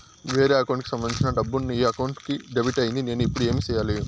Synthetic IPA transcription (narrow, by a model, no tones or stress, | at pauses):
ʋe̞ːɾeːɐkɐwɳʈkisɐmbɐnĩt͡ʃinɐɖɐbːunːiːɐkɐwuɳʈkiɖebiʈɐjind̪ine̞ːnuipːuɽue̞ːmit͡ʃɛːjaːli